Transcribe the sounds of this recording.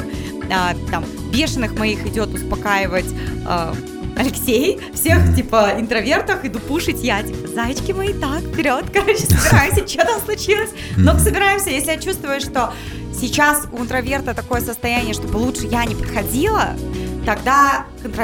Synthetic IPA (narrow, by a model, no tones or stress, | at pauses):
ət̪am | bʲe̞ʂɨnːɨxmɐixɪdʲo̞t̪ʊspɐkajɪvətʲː | ɐlʲɪksʲej | fsʲe̞xtʲipəɪnt̪ɾɐvʲe̞rt̪əxɪd̪ʊpuʂɨtʲjatʲipəzajɪt͡ɕkʲɪmɐit̪akpʲɪɾʲot̪kɐɾo̞t͡ɕːɪ̥səbʲɪɾajɪmsʲət͡ɕːot̪amslˠʊt͡ɕilˠəsʲ | noksəbʲɪɾajɪmsʲəjesʲlʲɪjat͡ɕust̪vəjʊʂt̪o̞ | sʲɪt͡ɕasʊɪnt̪ɾɐvʲe̞rt̪ət̪ɐko̞jəsəst̪ɐjænʲɪjəʂt̪o̞bɨlˠutʂɨjanʲɪpət̪xɐdʲilˠət̪ɐɡd̪akənt̪ɾɐ